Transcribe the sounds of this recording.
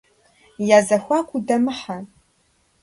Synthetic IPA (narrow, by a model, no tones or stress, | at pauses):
jaːzɐxʷaːkʷʰʼudɐmɨħa